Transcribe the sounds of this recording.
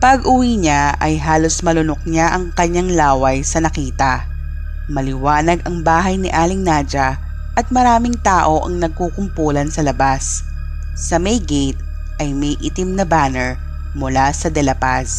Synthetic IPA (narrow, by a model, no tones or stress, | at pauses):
pɐɡʔʊwiɲaʔɐjɦaːlo̞smɐlʊnok̚ɲaʔɐŋkɐɲːaŋlaːwɐjsɐnɐkiːt̪ɐ | mɐlɪwaːnɐɡɐŋbaːɦɐjnɪʔaːlɪŋnaːd͡ʒɐ | ʔɐt̪̚mɐɾaːmɪŋt̪aːʔo̞ʔɐŋnɐɡ̚kukʊmpuːlɐnsɐlɐbasː | ɐmɛjɡɛjt̪̚ | ʔɐjmɐjʔit̪ɪmnɐbaːnɛɹ | mʊlasɐd̪ɛlɐpas